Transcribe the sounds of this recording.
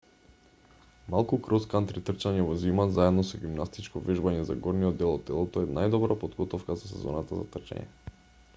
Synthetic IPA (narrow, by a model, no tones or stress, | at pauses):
malˠkukɾɔskant̪ɾit̪r̩t͡ʃaɲɛvɔzimazaɛd̪nɔsɛɡimnast̪it͡ʃkɔvɛʒbaɲɛza̰ɡɔɾnijɔd̪ːɛlˠɔd̪ɛlˠɔt̪ɔɛnajd̪ɔbɾapod̪ɡɔt̪ɔfkazasɛ̰zɔ̰nat̪aza̰t̪rt͡ʃa̰ɲɛ̰